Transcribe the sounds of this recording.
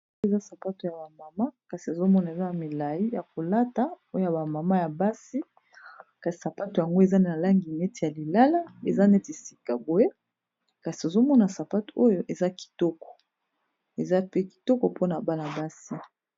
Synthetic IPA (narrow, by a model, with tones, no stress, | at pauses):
e˨za˦sa˨pa˦to˨ja˨ba˨ma˨ma˦ka˨si˨e˨zo˦mɔ˦na˨e˨za˦a˨mi˨la˨ji˦ja˨ko˨la˦ta˨o˦o˦ja˨ba˨ma˨ma˦ja˨ba˦si˦ | ka˨si̥˨sa˨pa˦to˨ja˨ŋɡo˦e˨za˦ne˦na˨la˦ŋɡi˨nɛ˦ti˨ja˨li˨la˦la˦e˨za˦ne˦ti˨si̥˨ka˨bo˨e˦ | ka˨si˨e˨zo˦mɔ˦na˨sa˨pa˦to˨o˦jo˦ʔe˨za˦ki̥˨tɔ˦kɔ̥˨ | e˨za˦pe˦ki̥˨tɔ˦kɔ˨po˦na˨ba˦la˨ba˦si˦